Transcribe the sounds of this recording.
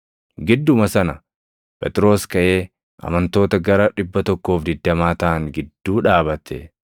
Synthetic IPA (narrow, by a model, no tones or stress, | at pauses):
ɡɪd̪ːʊmɐsɐnɐ | pɛt̪ʼɪɾo̞ːskɐʔe̞ː | ʔɐ̰mɐnt̪o̞ːt̪ɐɡɐɾɐᶑɪbːɐt̪ɔkːo̞ːfd̪ɪd̪ːɐmaːt̪ɐːŋɡɪd̪ːuːᶑaːbɐt̪ʰɛ̰